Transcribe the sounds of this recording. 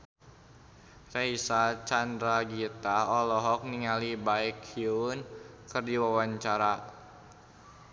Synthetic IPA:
raisat͡ʃandɾaɡit̪aɔlɔɦɔk̚niŋalibaikiunkərdiwawaɲt͡ʃaɾa

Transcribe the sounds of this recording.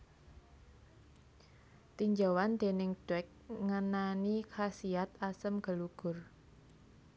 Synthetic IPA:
t̪iɲd͡ʒawand̪̥e̤nɪŋɖ̥ɛk̚ŋənanikʰasiat̪asəmɡ̥ə̤luɡ̥ʊ̤r

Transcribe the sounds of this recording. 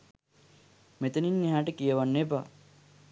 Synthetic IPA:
met̪əninːiɦaːʈəkijəʋanːeba

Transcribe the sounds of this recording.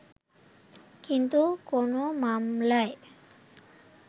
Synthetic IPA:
kint̪ukonomamlae

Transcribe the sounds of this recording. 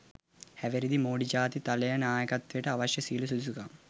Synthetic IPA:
hɐʋeɾid̪imoːɽid͡ʒaːt̪it̪ɐlɐjɐnaːjɐkɐt̪ʋiʈɐɐʋɐʃjɐsiːlususuɡaːm

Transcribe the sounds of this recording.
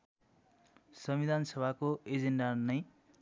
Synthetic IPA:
sʌmid̪ʱansʌbʱakoed͡zenɖʌrnʌj

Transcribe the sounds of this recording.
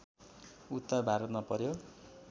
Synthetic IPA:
ut̪ːabʱaɾʌt̪mapʌɾjo

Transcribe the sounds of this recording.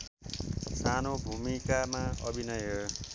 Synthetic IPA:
sanobʱumikamaʌbʱinʌjʌ

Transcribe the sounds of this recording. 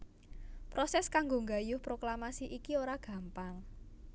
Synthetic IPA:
pɾosɛskaŋɡoŋɡajʊhpɾoklamasiʔikioɾaɡ̥ä̤mpaŋ

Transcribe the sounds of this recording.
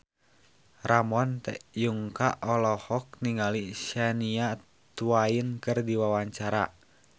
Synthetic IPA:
ramɔnt̪ɛ̰juŋka̰ʔɔlɔhɔk̚niŋaliʃania | t̪uainkɨrdiwawaɲt͡ʃaɾa

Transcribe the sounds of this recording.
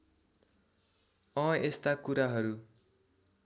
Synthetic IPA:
ʌ̃est̪akuɾaɦʌɾu

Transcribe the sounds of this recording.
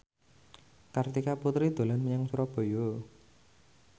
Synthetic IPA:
kart̪ikaput̪ɾid̪̥o̤lanməɲaŋsuɾɔb̥o̤jo

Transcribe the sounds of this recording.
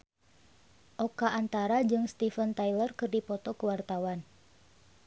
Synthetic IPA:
ʔɔkaʔːnt̪aɾad͡ʒɨŋst̪ifənt̪ajlərkɨrdipɔt̪ɔkəwart̪awan

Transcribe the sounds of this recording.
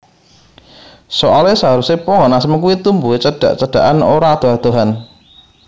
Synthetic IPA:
soʔalesəɦaɾusepɔŋɔnasəmək̬uwit̪umbuet͡ʃəɖ̥a̤̰ʔt͡ʃəɖ̥a̤ʔanoɾad̪̥oɦad̪̥o̤ɦan

